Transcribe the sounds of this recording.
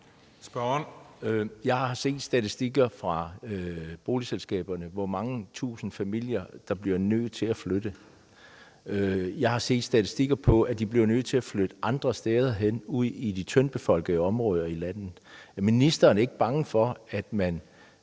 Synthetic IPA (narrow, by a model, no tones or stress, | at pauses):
sb̥ɶn | jɑ̈ɪhɑ̈ɑ̈se̝̰ːd̥sd̥æt͡sʰisd̥iɡ̥ɐfʁɑ̈ | b̥o̝ːliselsɡ̥ɛ̰ːb̥ɐnəʋɒmɑ̈ŋət͡sʰṵːsn̩fæmil̰jɐd̥ɑ̈b̥liɐnøðˠt͡sʰe̝læflød̥ə | jɑ̈ɪhɑ̈se̝̰ːd̥sd̥æt͡sʰisd̥iɡ̥ɐpʰɒ̽ʔæd̥ib̥liɐnøð̰ˠt͡sʰe̝æflød̥əʔɑ̈nd̥ʁɐsd̥eːð̞ˠɐɦen̰uð̰ˠid̥it͡sʰœnb̥e̝fɒ̽l̰ɡ̥əəɒ̽mʁɔ̽ːð̞ˠɐilæn̰ð̩ˠminisd̥ɐːnæɐe̝ɡ̥əb̥ɑ̈ŋəfɒ̽æd̥mæn